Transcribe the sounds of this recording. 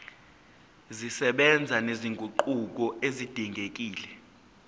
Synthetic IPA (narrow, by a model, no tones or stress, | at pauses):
zisɛɓɛnd͡zʱaneziŋɡʱuǃuk̬ɔezid̥ʱiŋɡʱek̬ʼiːlɛ